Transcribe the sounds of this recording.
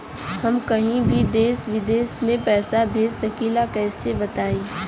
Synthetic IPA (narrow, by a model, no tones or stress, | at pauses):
hɐmkɐɦĩbʱid̪eːsʋɪd̪eːsmẽpɛːsabʱeːd͡ʒssɐkiːlakɛːsebɐt̪aːĩː